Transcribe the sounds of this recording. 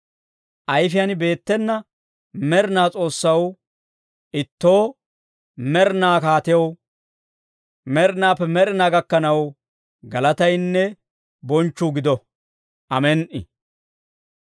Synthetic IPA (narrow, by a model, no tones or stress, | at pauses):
ʔɐjfɪjɐnbe̞ːt̪ːɛnːɐ | mɛɾnaːt͡sʼo̞ːsːɐw | ʔɪt̪ːo̞ː | mɛɾnaːkaːt̪ɪjɐw | mɛɾnaːpːɛmɛɾɪnaːɡɐkːɐnɐw | ɡɐlɐt̪ɐjnːɛ | bɔnt͡ʃːʊɡɪd̪ɔ | ʔɐmɛnʔɪ̰